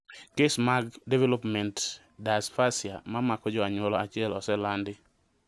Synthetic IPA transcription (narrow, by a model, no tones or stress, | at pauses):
kesmaɡdevelopmɛnt | dasfasjamamakɔd͡ʒɔaɲwɔlɔat͡ʃɪɛlɔsɛlandɪ